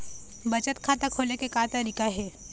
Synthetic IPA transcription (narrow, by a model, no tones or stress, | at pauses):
bɐt͡ʃət̪kʰaːt̪akʰoːlekekaːt̪aɾikaɦɛː